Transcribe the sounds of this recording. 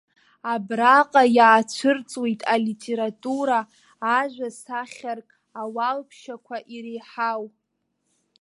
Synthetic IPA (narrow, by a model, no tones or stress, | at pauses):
abraqʼajaːt͡ɕʷʰɨrt͡sʼwijtʼalitʰʼe̞ɾatʼuɾaː | ʒᶣʷasaχʲarkʼ | awalpʰʃakʷʰaʔiɾejħaw